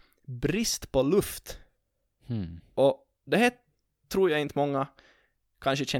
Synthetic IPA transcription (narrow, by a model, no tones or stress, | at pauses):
bɾɪst̪pʰɔlɵft̪ | ʔɔ | d̪ɛhæː | ʈ̪ʰɾuːɾjaɪnt̪əmɔŋːa | kʰanʂəɕɛ